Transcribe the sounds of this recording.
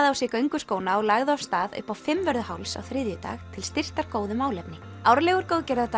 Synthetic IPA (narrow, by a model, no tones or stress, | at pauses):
ðawsɪːkœɥŋkʏskoːwnaɔɣlaːɣðʏafst̪aːðʏ̰pːawfɪmvœɾðʏhawlsa̰wθɾɪðjʏt̪a̰ːxt̪ʰɪlst̪ɪr̥t̪aɾkoːwðʏmaːwlɛpnɪ | awɾlɛɣʏɾ̥koːwðcɛɾðat̪